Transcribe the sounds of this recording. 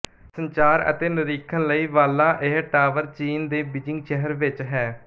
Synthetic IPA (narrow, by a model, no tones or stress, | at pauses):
səɲt͡ʃaːɾə̰t̪eːnəɾiːkʰənləiːʋaːlːãːʔɪɦʈaːʋəɾt͡ʃiːnd̪eːbɪd͡ʒɪ̃ŋɡʃɛɦəɾʋɪt͡ʃɦɛː